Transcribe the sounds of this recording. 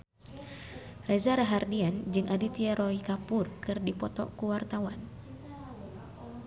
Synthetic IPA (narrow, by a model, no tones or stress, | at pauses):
rɛzaɾaɦardiand͡ʒɨŋʔadit̪iaɾɔikapurkɨrdipɔt̪ɔ̰kuwart̪awan